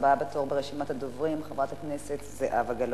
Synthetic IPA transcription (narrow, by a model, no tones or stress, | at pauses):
babatoʁbeʁeʃimat̪had̪ovʁimχevʁat̪haknese̞t̪zeʔavaɡal